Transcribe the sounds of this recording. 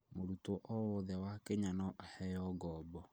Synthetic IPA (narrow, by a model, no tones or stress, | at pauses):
moɾutɔʔɔwɔðɛwakeɲanɔʔhɛjɔɡɔːbɔ